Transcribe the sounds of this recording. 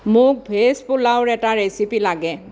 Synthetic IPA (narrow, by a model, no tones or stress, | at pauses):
mʊk̚bʱespʊlawɹɛtaɹesipilaɡɛ